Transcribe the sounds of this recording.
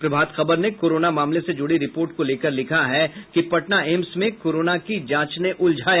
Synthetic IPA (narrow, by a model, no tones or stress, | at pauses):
pɾɐbʱaːd̪xɐbəɾnekoːɾoːnamaːmlesed͡ʒʊɽiɾɪpoːɾʈkoleːkəɾlɪkʰaɦɛkipɐʈnaeːmsmẽkoːɾoːnakid͡ʒãːt͡ʃneʔʊld͡ʒʱaːj